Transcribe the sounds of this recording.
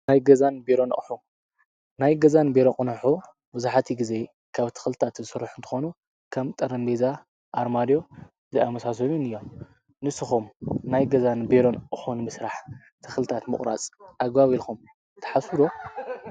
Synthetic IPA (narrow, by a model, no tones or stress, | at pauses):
najɡɐzanbeɾo̞n̰ʔʼħu | najɡɐzanbeɾokʼɨnħu | bɨzaħat̪ʰiɡize̞ | kʰaβt̪ʰɨ̥xlɨt̪ʰat̪zɨsɨɾːħunt̪ʰɨ̥xo̞nu | kʰamt̪ʼɐɾɐnd̪eza | ʔaɾmad̪jo̞ | zɨamɐsas̬ɐminɨjːo̞m | nɨsɨxumnajɡɐzanbeɾo̞nʔʼɨħunɨmɨsɾaħ | t̪ʰɨxlɨt̪ʰat̪mɨχʼɾa̰t͡sʼʔaɡbaβilkʰum | t̪ʰɐ̥ħasuɾo